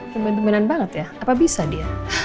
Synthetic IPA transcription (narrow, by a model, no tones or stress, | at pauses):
t̪əmɛnt̪əmɛnanbaŋət̪jaapabisadia